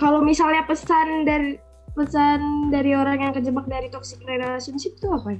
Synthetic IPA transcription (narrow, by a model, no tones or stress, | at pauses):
kalowmisalɲapəsandaɾi | pəsandaɾioɾaŋjaŋkəd͡ʒəbak̚daɾit̪ɔksi̥kɾedasunsɪk̚t̪uaka